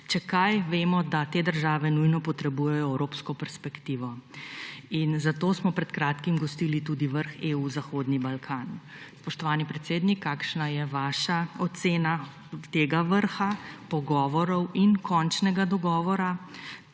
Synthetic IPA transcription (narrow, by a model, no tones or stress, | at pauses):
t͡ʃɛkajʋeːmɔd̪at̪eːd̪əɾʒaːʋɛnujnɔpɔt̪ɾɛbujɛjɔɛwɾoːpskɔpɛɾspɛkt̪iːʋɔ | inzat̪oːsmɔpɾɛt̪kɾaːt̪kimɡɔst̪iːlit̪ud̪iʋəɾxeuzaxoːd̪nibalkʰaːn | spɔʃt̪ɔʋaːnipɾɛt̪seːd̪nikʰːaːkʃnajɛʋaːʃaɔt̪seːna | t̪eːɡaʋəɾxapɔɡɔːʋɔɾɔwinkʰɔnt͡ʃnɛɡad̪ɔɡɔːʋɔɾa